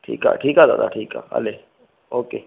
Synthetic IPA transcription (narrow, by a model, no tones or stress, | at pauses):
ʈʰḭːka̰ːʈʰiːkazaːd̪a̰ːʈʰiːka̰ːa̰leː | oːkeː